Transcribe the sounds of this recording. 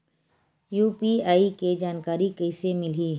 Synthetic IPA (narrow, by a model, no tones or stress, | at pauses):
juːpiaːiked͡ʒaːnkaːɾikɛɪsemɪliː